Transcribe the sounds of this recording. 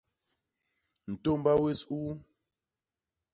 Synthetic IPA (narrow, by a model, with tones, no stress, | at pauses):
n̩˨to˦˨m˦ba˦we˦suː˦